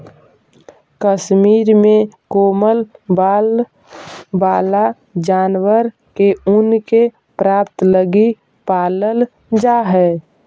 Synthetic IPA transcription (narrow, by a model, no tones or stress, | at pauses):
kəʃmiːɾmẽkoːməlbaːl | baːla | d͡ʒaːnwəɾ | keʊnke | pɾaːpt̪ləɡi | paːləl | d͡ʒaɦɛː